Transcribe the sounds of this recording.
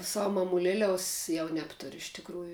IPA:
ˈsɑːʋʊ mɐmʊˈlʲæːlʲɛʊs ˈjɛʊ ˈnʲæːptʊrʲʊ ɪʃ tʲɪkˈruːjʊ

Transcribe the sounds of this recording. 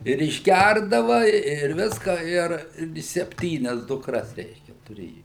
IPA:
ɪr ɪʒʲˈɡʲærdɐʋɐ ɪr ˈʋʲɪskɐ ˈɪr ˈɪrʲɡʲɪ sʲɛpʲˈtʲiːnʲɛs dʊkˈrɐs ˈrʲɛɪʃʲkʲɛ tʊˈrʲeːjʊ

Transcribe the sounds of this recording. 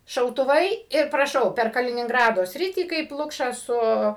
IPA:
ʃɐʊtʊˈʋɐɪ ɪr prɐˈʃɐʊ pʲɛr kɐlʲɪnʲɪŋˈɡrɑːdoː ˈsʲrʲɪtʲiː kɐɪp ˈlˠʊkʃɑː ˈsʊ

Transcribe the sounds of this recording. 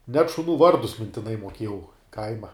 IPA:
nʲɛt ʃʊˈnuː ˈʋɐrdʊs mʲɪnʲtʲɪˈnɐɪ muɔˈkʲiɛjɛʊ ˈkɐɪmɐ

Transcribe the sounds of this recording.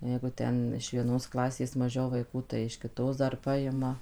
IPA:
ˈjɛɪɡʊ ˈtʲɛn ɪʃ ʋʲiɛˈnoːs ˈklˠɑːsʲeːs mɐˈʒʲɛʊ ʋɐɪˈkuː tɐɪ ɪʃ kʲɪˈtoːs ˈdɐr ˈpɑːjɪmɐ

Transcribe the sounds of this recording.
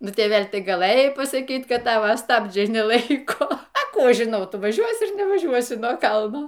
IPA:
ˈnʊ ˈtʲeːʋʲɛlʲ ˈtɐɪ ɡɐˈlˠɘjɛɪ pɐsɐˈkʲiːt ˈkɐt ˈtɑːʋɐ ˈstɑːbʲd͡ʒʲɛɪ nʲɛˈlˠɐɪkoː ɐ ˈkuː ˈɐʃ ʒʲɪˈnɐʊ ˈtʊ ʋɐˈʒʲuɔsʲɪ ɐr nʲɛʋɐˈʒʲuɔsʲɪ nuɔ ˈkɐlˠnoː

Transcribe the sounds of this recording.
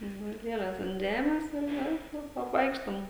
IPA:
nʊ ˈʋɐt ˈlʲiɛlʲɛs ɐnt ˈʒʲæːmʲɛs ɪr ˈjɛʊ ˈjɛʊ ɐpˈʋɐɪkʃtoːm

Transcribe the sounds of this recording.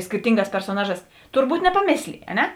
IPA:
sʲkʲɪrʲˈtʲɪŋˌɡɑːs pʲɛrsoːˈnɑːˌʒɑːs tʊrˈbuːt nʲɛpɐˈmʲeːsʲlʲeːj ɐ ˈnʲɛ

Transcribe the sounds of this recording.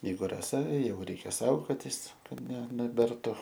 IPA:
jɛɪˈɡʊ rɐˈsɐ ˈjɛʊ ˈrʲɛɪkʲɛ ˈsɐʊɡoːtʲɪs ˈkɐt nʲɛ nʲɛˈbʲɛrtʊ

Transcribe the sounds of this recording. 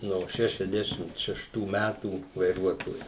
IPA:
noː ˈʃʲæːʃʲɛzʲdʲɛʃʲɪmt ʃʲɛʃˈtuː ˈmʲætuː ʋɐɪˈruɔtoːjʊ

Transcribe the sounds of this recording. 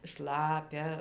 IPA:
ˈʃlˠɑːpʲɛ

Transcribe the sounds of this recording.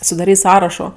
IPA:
sʊdɐˈrʲiːtʲ ˈsɑːrɐʃoː

